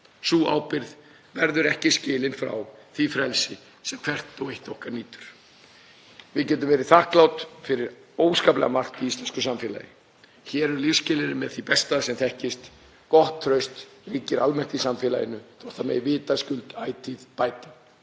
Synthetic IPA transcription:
suːa̰wpɪɾð | vɛɾðʏɾɛhcɪscɪːlɪnfɾa̰wθifɾɛlsɪ | sɛmkʰɛr̥t̪ɔwejht̪ɔhkaɾniːt̪ʏ̥ɾ̥ | vɪðcɛːt̪̬ʏmvɛːɾɪθahklawt̪fɪɾɪɾ | oːwskaːplɛ̰ɣamar̥t̪iist̪lɛnskʏsamfɛːla̰jɪ | çɛːɾʏɾlifscɪːlɪɾɪmɛðθipɛst̪asɛmθɛhcɪst̪ | kɔht̪ʰːɾœɥst̪riːcɪɾalmɛ̥t̪ɪisamfɛːla̰jɪnːʏθɔht̪amɛ̰jvɪːt̪ascʏlt̪aːjt̪ʰɪðpaːjt̪a

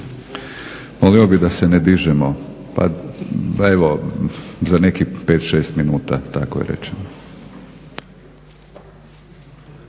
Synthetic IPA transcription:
moliobid̪asened̪iʒɛmo | pa̰ | eʋo | zane̞kipe̞ːt̪ʃe̞ːst̪minuːt̪at̪akojḛɾḛt͡ʃeno

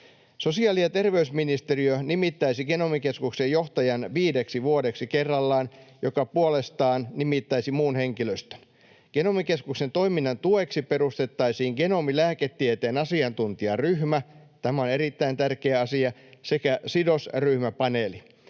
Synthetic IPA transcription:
sosiɑːlijɑt̪erʋeysminist̪eriønimit̪ːæisiɡ̥enomikeskuksejjoht̪ɑjɑnʋiːdeksiʋuodeksikerːɑlːɑːnjokɑpuolest̪ɑːnnimit̪ːæisimuːnheŋkiløst̪ø̥n | ɡ̥enomikeskuksent̪o̞iminːɑnt̪ueksiperust̪et̪ːɑisiːŋɡ̥enomilæːket̪ːiet̪eːnɑsiɑnt̪unt̪iɑryhmæ | t̪æmæonerit̪ːæint̪ærkeæɑsiɑsekæsidosryhmæpɑneli

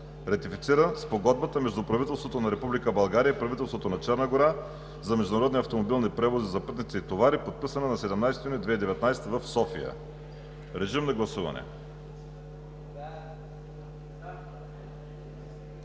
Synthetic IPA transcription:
ɾɐt̪ifit̪siɾəspoɡɔd̪̚bət̪əmɛʒd̪ʊpɾɐvit̪ɛlˠst̪vot̪onɐɾɛpublikəbɐlˠɡaɾiəipɾɐvit̪ɛlˠst̪vot̪onɐt͡ʃɛɾnəɡoɾa | zɐmɛʒd̪ʊnɐɾɔd̪niɐft̪omobilˠnipɾɛvozizɐpɤt̪nit̪sit̪ovaɾipot̪̚pisɐnɐnɐsɛd̪ɛmnajsɛt̪junid̪vɛid̪ɛvɛt̪najsɛ̥t̪vəfsɔfḭjə̰ | ɾɛʒimnɐɡlˠɐsuvɐ̰nɛ̰

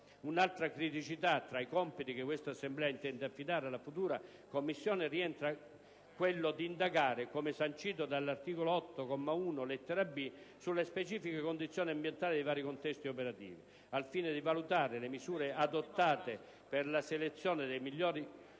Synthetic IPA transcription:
unalt̪ɾakɾit̪it͡ʃit̪at̪ːɾaikɔmpit̪ik̟ekːwest̪asːemblɛːaint̪ɛnd̪eafːid̪aːɾealːafut̪uːɾa | komːisːjɔːnɪriɛnt̪ɾa | kwelːod̪iːnd̪aɡaːɾekomesant͡ʃiːt̪̬od̪alːart̪iːkoloɔt̪ːokɔmːauːnolet̪ːeɾabisulːespet͡ʃiːfikekond̪it̪sːjoɔːniambjɛnt̪aːlɪd̪eivaːɾikont̪ɛst̪iopeɾat̪ḭːvi | alfiːnɪd̪ivalut̪aːɾelemisuːɾead̪ot̪ːaːt̪e | pɪrlaselet̪sːjɔːnɪd̪ejmiʎːɔːɾi

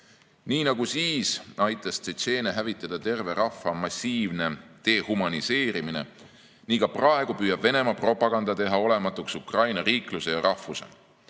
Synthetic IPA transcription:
niːnɑɡusiːsɑjt̪ːˑɑst̪ese̞ːneɦævit̪ːˑɑd̪̥ɑt̪e̞rve̞ɾɑfːɑmɑsʲiːvne̞t̪e̞ːhumɑnise̞ːɾimine̞̰ | niːkɑprɑe̞ɡ̥upyːjɑb̥ve̞ne̞mɑpro̞pːˑɑɡ̥ɑnd̪̥ɑt̪e̞ɦɑo̞le̞mɑt̪ːˑuksukrɑjnɑɾiːkluse̞jɑɾʔɑhfːuse̞̰

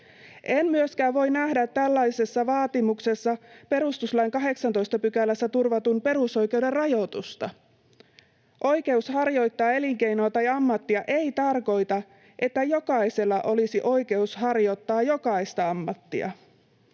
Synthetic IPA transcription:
ʔe̞mmyøskæːʋo̞jnæhdæt̪ːælːɑise̞sːɑʋɑːt̪imuksesːɑpe̞ɾust̪uslɑjŋkɑɦe̞ksɑnt̪o̞jst̪ɑpykælːæsːæt̪urʋɑt̪unpe̞ɾuso̞jk̟e̞wde̞rrɑjo̞t̪ust̪ɑ | ʔo̞jke̞ushɑrjo̞jt̪ːɑːe̞liŋke̞jnoɑt̪ɑjɑmːɑt̪ːiɑʔe̞it̪ɑrko̞jt̪ɑ | ʔe̞t̪ːæjo̞kɑise̞lːɑʔo̞lisiʔo̞jke̞ushɑrjo̞t̪ːɑːjo̞kɑist̪ɑɑmːɑt̪ːḭɑ̰

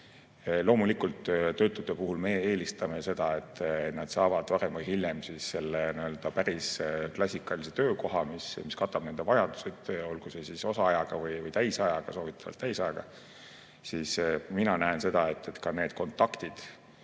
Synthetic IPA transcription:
lo̞ːmulikult̪ːt̪ø̞ːt̪ːˑud̪epuɦulme̞eːlist̪ɑme̞se̞d̪̥ɑe̞t̪ːˑnɑd̪̥sɑːvɑd̪̥pɑɾemvɯjhilʲjemsisːe̞lːeniø̞ld̪̥ɑpæɾisklɑsʲikːˑɑlise̞t̪øːko̞ɦɑmismiskɑt̪ːˑɑb̥ne̞nd̪evɑjɑd̪̥u̥sed̪̥o̞lɡ̥usesiso̞sɑɑjɑɡ̥ɑvɯjvɯjt̪æjsɑjɑɡ̥ɑso̞ːvit̪ʰˑːɑ̥vɑ̰lt̪ːæjsɑjɑɡ̥ɑ | siːsminɑnæense̞d̪̥ɑet̪ːet̪kɑne̞ːd̪̥ko̞nt̪ːˑɑkt̪id̪̥

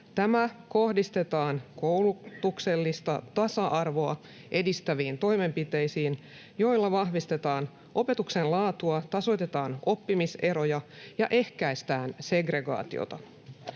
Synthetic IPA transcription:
t̪æmæko̞hdist̪e̞t̪ɑːnkowlut̪ukse̞lːist̪ɑt̪ɑsɑʔɑrʋo̞ɑ | ʔe̞dist̪æʋiːnt̪o̞jme̞mpit̪e̞jsiːn | jo̞jlːɑʋɑɦʋist̪e̞t̪ɑːn | ʔo̞pe̞t̪uksenlɑːt̪uɑt̪ɑso̞jt̪e̞t̪ɑːno̞pːimise̞ɾo̞jɑjɑʔe̞hkæjst̪æːnse̞ɡre̞ɡɑ̰ːt̪io̞̰t̪ɑ

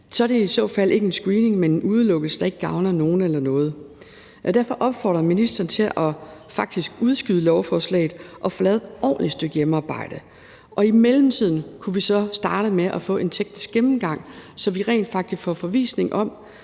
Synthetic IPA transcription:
sɒ̽ɾ̥e̝æisɔ̰̽ːfælʔe̝ɡ̥əensɡ̥ʁiːne̝ŋmene̝nuð̞ˠlɔɡ̥l̩səd̥ɑ̈e̝ɡ̥əɡ̥ɑ̈ʊnɐno̝ːn̩elɐnɔ̽ːð̞̩ˠ | ɒd̥æɐfɒ̽ʔɒ̽b̥fɒ̰ːd̥ʁɐminisd̥ɐːn̩t͡sʰe̝lʔɒ̽fɑ̈ɡ̥̚d̥isɡ̥uð̞ˠsɡ̥yðˠəlɒʊfɒːslɛ̰ɪð̩ˠʔɒ̽fɒ̽lɛːð̞̩ˠɒ̰ːnlisd̥øɡ̥jemɑ̈ːb̥ɑ̈ɪ̰d̥ə | ʔɒ̽imelm̩t͡sʰið̰ˠn̩kʰuʋisɒ̽sd̥ɑ̈ːɾ̥əmeʔɒfɔ̰̽e̝nt͡sʰeɡ̥̚nisɡ̥emm̩ɡ̥ɑ̈ŋ̰sɒ̽mʋiʁɛ̰ɪnd̥fɑ̈ɡ̥̚d̥isɡ̥fɒfɒ̽ʋḭːsne̝ŋʔɒ̽m

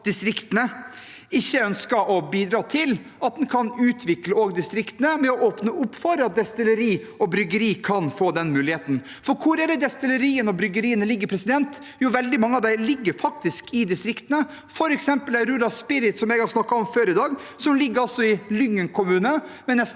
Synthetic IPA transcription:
d̪ɪst̪ɾɪkt̪ənə | ɪçːəœnskəʔɔbiːd̪ɾɑːt̪ʰɪl | ɑt̪̚d̪ɛnkʰɑnʉːt̪ʰʋɪkləoːɡd̪ɪst̪ɾɪkt̪ənəmɛɔʔoːpnəʔʊpfɔɾəɑt̪̚d̪ɛst̪ɪləɾiː | ɔbɾʏɡəɾiːkʰɑnfoːd̪ɛnmʉːlɪheːt̪n̩ | fɔɾkʰʊɾæːɾəd̪ɛst̪ɪləɾiːənɔbɾʏɡəɾiːənəlɪɡːəɾpʰɾɛsɪd̪ɛnt̪ | jʊʋɛld̪ɪmɑŋːəɑʋd̪ælɪɡːəɾfɑkt̪ɪskʰɪd̪ɪst̪ɾɪkt̪ənə | fɔɾɛksɛmpəlæɾʉːlɑspɪɾɪt̪sɔmɛɡhɑɾsnɑkːɑɔmføːɾɪd̪ɑːɡsɔmlɪɡːəɾɑlsɔɪlʏŋːənkʰʊmʉːnəmɛnɛs

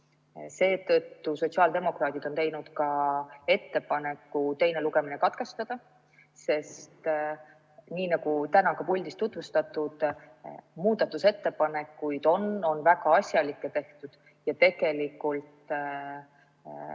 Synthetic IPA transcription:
se̞ːt̪ɤ̞t̪ːuso̞t̪ʲsiɑːld̪e̞mo̞krɑːt̪id̪̥o̞nt̪e̞jnud̪kɑe̞t̪ːe̞pɑne̞kːˑut̪e̞jneluɡe̞minekɑt̪ke̞st̪ɑd̪̥ɑ | se̞st̪ | niːnɑɡ̥ut̪ænɑkɑpulʲd̪ist̪ːut̪vust̪ɑt̪ːˑud̪̥ | muːd̪̥ɑt̪ːˑuse̞t̪ːe̞pɑne̞kːˑujd̪̥o̞no̞nvæɡ̥ɑɑsʲjɑlikːe̞t̪e̞ht̪ud̪̥ | jɑt̪e̞ɡe̞likːult̪

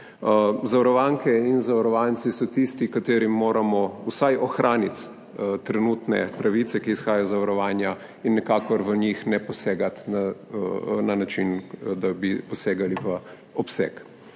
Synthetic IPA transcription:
zaʋaɾɔʋaŋkɛinzaʋaɾɔʋant̪sisɔt̪ist̪ikat̪eːɾimːoːɾamɔusajʔɔxɾʔaːnit̪ | t̪ɾɛnuːt̪nɛ̰pɾaʋit̪sɛkiːsxaːjajɔzaʋaɾɔʋaːnja | inːɛkaːkɔɾʋənixnɛpɔseːɡat̪na | nanat͡ʃind̪abipɔseːɡaliʋə | ɔpsɛ̰k

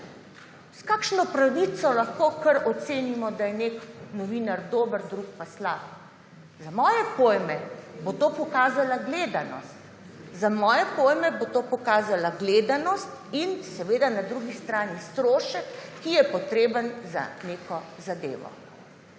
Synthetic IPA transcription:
skaːkʃnɔpɾaʋit̪sɔlaxkoːkəɾɔt̪seːnimɔd̪ajɛneknɔʋiːnaɾd̪oːbəɾd̪ɾuk̚paslaːp | zamɔːjɛpoːjmɛbot̪oːpɔkaːzalaɡleːd̪anɔ̰st̪ | zamɔːjɛpoːjmɛbot̪oːpɔkaːzalaɡleːd̪anɔst̪insɛʋeːd̪anad̪ɾuɡist̪ɾaːnist̪ɾoːʃəkːijɛpɔt̪ɾeːbənza̰neːkɔzad̪ḛːʋɔ̰

